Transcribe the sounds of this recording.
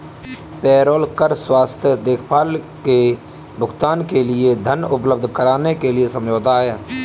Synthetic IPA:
pɛːɾoːlkəɾswaːst̪ʰjəd̪eːkʰpaːl | ke | bʱʊɡt̪aːnkelɪed̪ʱənʊpləb̚d̪ʱkəɾaːnekelɪesə̃md͡ʒoːt̪aɦɛː

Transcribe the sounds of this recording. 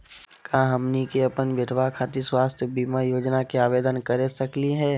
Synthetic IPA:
kaːɦɐmnikeɐpənʋɪd̪ʱʋakʰaːt̪iswaːst̪ʰjəbiːmajoːd͡ʒnakeaːʋeːd̪ənkəɾesɐkliɦɛː

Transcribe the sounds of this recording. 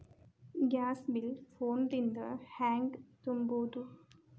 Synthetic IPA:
ɡaːsbɪlfoːɳɖɪ̃nd̪əhæ̃ːŋɡt̪umboːd̪u

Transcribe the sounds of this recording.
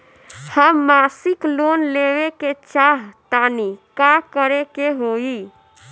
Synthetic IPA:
həmːaːsɪkloːnleːweket͡ʃaːɦt̪aːnikakəɾekeɦoːiː

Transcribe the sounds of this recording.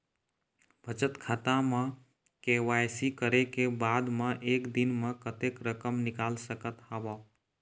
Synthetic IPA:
bʱət͡ʃət̪kʰaːt̪ãmã | keʋajsikəɾekebaːd̪mãʔeːkd̪ɪnmə̃kət̪ekɾəkəmnɪkaːlsəkət̪haba

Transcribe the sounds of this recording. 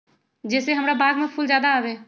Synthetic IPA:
d͡ʒɛːseɦɐmɾabaːɡmẽpʰʊlzjaːd̪aːʋeː

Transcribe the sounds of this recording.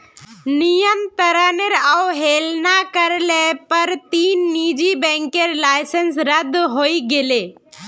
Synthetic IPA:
nijənt̪əɾaneɾauɦeːlnakəɾlepəɾt̪iːnːiːd͡ʒibɛ̃ːŋkeɾlaːɪsənsɾəd̪ɦoːiɡeleː

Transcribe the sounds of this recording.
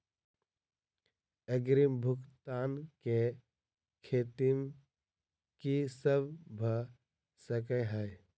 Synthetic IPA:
əɡɾimbʱʊkt̪aːnke | kʰeːt̪im | kisəbbʱə | səkəɦəj

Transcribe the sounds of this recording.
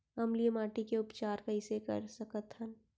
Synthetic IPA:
ɐmlijəmaːʈikeʊpt͡ʃaːɾkɐɪsekɐ̰ɾsɐkət̪ɦən

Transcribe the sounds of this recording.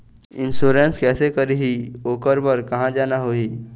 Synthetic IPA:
ɪ̃nsuːɾẽnskɛːsekɐɾiɦioːkəɾbəɾkɐɦãd͡ʒaːnaɦoːiː

